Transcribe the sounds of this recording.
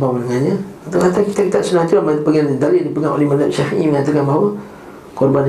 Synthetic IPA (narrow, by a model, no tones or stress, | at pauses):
bawnəŋanɲaat̪akat̪akit̪akit̪aʔsənat̪uampəɡanind̪alidipəŋaŋo̰lemandaʔsafiiməŋat̪akanbaɦawa | kɔrban